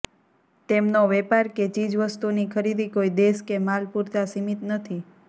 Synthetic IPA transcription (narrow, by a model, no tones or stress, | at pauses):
t̪emnoʋɛpaɾket͡ʃid͡ʒʋəst̪unikʰəɾid̪ikoid̪eskemalpuɾt̪asimit̪nət̪ʰi